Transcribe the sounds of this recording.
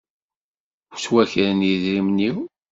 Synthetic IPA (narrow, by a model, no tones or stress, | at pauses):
wswæçɾənjiðɾimniw